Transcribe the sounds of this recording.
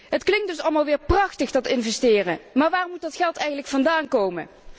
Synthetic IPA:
ɦətklɪŋdɵsɑlˠmalˠʋɪːɹprɑχtəχdɑtɪnvɛstɪːrəmaːɹʋaːmut̚dɑtχɛlˠtɛjɣənləkfɑndaːnkowmə̰

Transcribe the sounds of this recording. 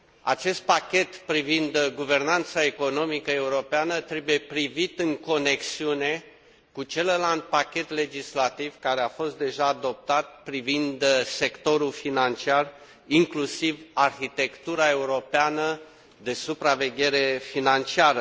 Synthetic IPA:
a̰t͡ʃe̞st̪̚pakʲe̞t̪pɾivind̪ɡuve̞rnant̪sae̞ko̞no̞mikəe̞uɾo̞peanət̪ɾe̞buje̞pɾivit̪ɨŋko̞ne̞ksiune̞ | kut͡ʃe̞lland̪̚pakʲe̞t̪le̞d͡ʒislat̪ivkaɾeafo̞st̪̚d̪e̞ʒaːd̪o̞p̚t̪at̪̚pɾivind̪se̞kt̪o̞ɾulfinant͡ʃiar | iŋklusivarxit̪e̞kt̪uɾae̞uɾo̞peanə | d̪e̞supɾave̞ɡʲe̞ɾe̞finant͡ʃiaɾə

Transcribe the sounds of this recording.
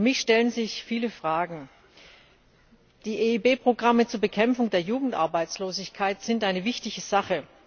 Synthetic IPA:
mɪçʃtɛlənzɪçfiːləfʁ̥aːɡŋ̩ | d̥iːʔeːiːbeːpʁ̥oɡʁamət͡suːɐbəkʰɛmfʊŋdeːɐjuːɡŋ̩tʔa̰ɐbaɪt͡sloːzɪçkʰaɪtz̥ɪntʔaɪnəvɪçtɪçəzaχə

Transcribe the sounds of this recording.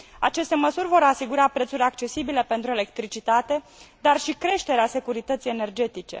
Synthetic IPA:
at͡ʃe̞st̪e̞məsuɾʲvo̞ɾasiɡuɾapɾe̞t̪suɾʲakt͡ʃe̞sibile̞pe̞nt̪ɾue̞le̞kt̪ɾit͡ʃit̪at̪e̞ | d̪arʃikɾe̞ʃt̪e̞ɾease̞kuɾit̪ət̪sijene̞rd͡ʒe̞t̪it͡ʃe̞̰

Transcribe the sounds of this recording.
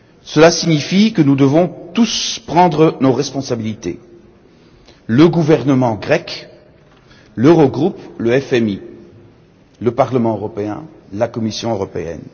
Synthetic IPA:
səlasiɲifikənud̪əvɔ̃t̪uspχɑ̃d̪ʁənoʁɛspɔ̃sabilit̪ḛ | ləɡuvɛʁnəmɑ̃ɡʁɛk | løʁoɡʁupləɛfɛmi | ləpaʁləmɑ̃øʁɔpeɛ̰̃lakɔmisjɔ̃øʁɔpḛɛ̰n

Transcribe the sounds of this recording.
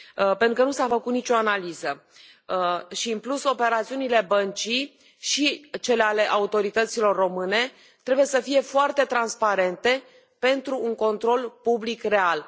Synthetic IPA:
pent̪ɾukənusafəkut̪nit͡ʃo̞analizə | ʃiɨnpluso̞pe̞ɾat̪siunile̞bənt͡ʃi | ʃit͡ʃe̞leale̞ʔaut̪o̞ɾit̪ət̪silo̞rːo̞mɨne̞ | t̪ɾe̞buje̞səfije̞foart̪e̞t̪ɾanspaɾe̞nt̪e̞ | pe̞nt̪ɾuːŋko̞nt̪ɾo̞lpublikre̞al

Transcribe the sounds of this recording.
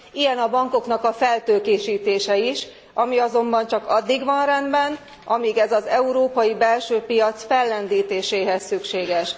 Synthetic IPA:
ijɛnɒbɒŋko̞knɒkɒfɛlt̪øːkeːʃiːt̪eːʃɛiʃ | ɒmiɒzo̞mbɒnt͡ʃɒkɒd̪ːiɡʋɒnrɛnd̪bɛn | ɒmiːɡɛzɒzɛuɾoːpɒjibɛlʃøːpijɒt̪sfɛlːɛnd̪iːt̪eːʃeːɦɛsːykʃeːɡɛʃ

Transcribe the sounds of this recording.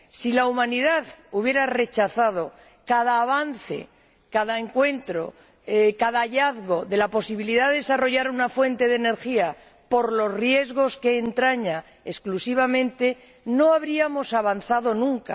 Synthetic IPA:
silaumãniðaðuβje̞ɾare̞t͡ʃaθað̞o̞ | kaðaːβan̟θe̞̰ | kaðaeŋkwe̞nt̪ɾo̞ | kaðaʎaðɣo̞ðe̞lapo̞siβ̞iliðaððesaro̞ʝaɾunafwe̞nt̪e̞ðe̞ne̞ɾxia | po̞ɾlo̞zrje̞zɣ̞o̞ske̞ːnt̪ɾaɲa | esklusiβ̞amẽnt̪e̞ | no̞aβɾiamo̞saβanθað̞o̞nũŋka̰

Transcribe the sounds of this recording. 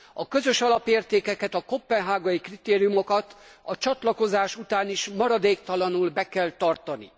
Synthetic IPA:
ɒkø̞zø̞ʃɒlɒpeːrt̪eːkɛkɛt̪ɒkopːɛnɦaːɡɒjikrit̪eːɾijumo̞kɒt̪ɒt͡ʃɒt̪lɒko̞zaːʃut̪aːniʃmɒɾɒd̪eːkt̪ɒlɒnulbɛkɛlt̪ɒrt̪ɒnḭ

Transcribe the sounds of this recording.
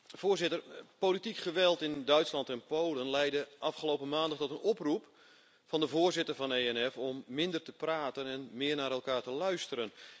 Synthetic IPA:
v̥ʊːrzɪtərpolitikχəʋɛlˠtɪndœɥtslɑntɛnpowlənlɛjdəʔɑfχəlowpəmaːndətɔtənɔprup | fɑndəvoːrzɪtərvɑneːɛnɛfɔmːɪndərtəpraːtənɛnmɪərnaːɾɛlˠkaːɹtəlœɥstəɾən

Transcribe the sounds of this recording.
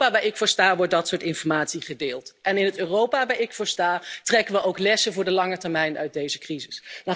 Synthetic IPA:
aːʋaːɹɪkfʊːɹstaːɹʋɔɹt̚dɑtsʊːɹtɪnfɔɹmaːtsiχədeːlˠtʔɛnɪnətøːrowpaːʋaːɹɪkfʊːɹstaːtrɛkənʋəʔowklɛsəvʊːɹdəlɑŋətɛɹmɛjnœ̰ɥt̚dejzəkrizɪsna

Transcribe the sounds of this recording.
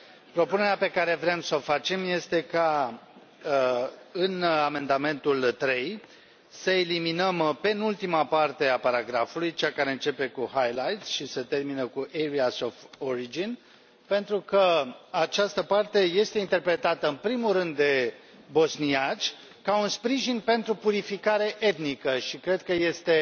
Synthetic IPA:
pɾo̞pune̞ɾeape̞kaɾe̞vɾemso̞fat͡ʃe̞mje̞st̪e̞ka | ɨname̞nd̪ame̞nt̪ult̪ɾe̞j | səe̞liminəmpe̞nult̪imapart̪e̞apaɾaɡɾafulujt͡ʃakaɾe̞ɨnt͡ʃe̞pe̞kuhajlajt̪sʃisət̪e̞rminəkuʔeɾiasofoɾid͡ʒin | pe̞nt̪ɾukəat͡ʃast̪əpart̪e̞je̞st̪e̞int̪e̞rpɾe̞t̪at̪əɨnpɾimurɨnd̪ːe̞ | bo̞sniat͡ʃ | kaunspɾiʒinpe̞nt̪ɾupuɾifikaɾe̞ʔe̞t̪nikəʃikɾe̞d̪̚kəje̞st̪e̞

